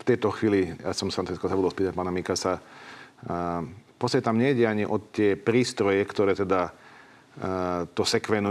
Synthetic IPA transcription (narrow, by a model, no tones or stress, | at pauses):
ft̪ɛjt̪ɔxʋiːlijasɔmsfaɾant̪uziskɔzabud̪ɔlspiːt̪ac̚paːnamikasa | pɔsɛɛt̪amɲɛiɟɛaɲiʔɔt̪ɪɛpɾiːst̪ɾɔjɛkt̪ɔɾɛːt̪ɛd̪a | t̪ɔsɛkʋɛnu